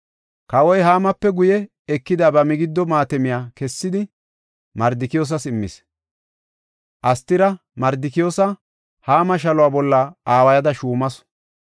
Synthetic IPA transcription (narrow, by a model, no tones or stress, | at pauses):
kɐwɔjɦaːmɐpːɛɡʊjɛ | ɛkːɪd̪abɐmɪɡɪd̪ːɔmaːt̪ɛmɪjaːkɛsːɪd̪ɪ | mɐɾd̪ɪkɪjoːs̬ɐsɪmːɪ̰s | ʔɐst̪ːɪɾɐ | mɐɾd̪ɪkɪjoːsɐ | haːmɐʃ̬ɐlʊwaːbɔlːɐaːwɐjɐd̪ɐʃuːmɐs